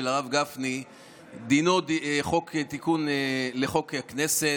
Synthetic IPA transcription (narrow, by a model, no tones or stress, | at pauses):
elaʁavɡafni | d̪inod̪χoket̪ikunleχo̞kehakne̞se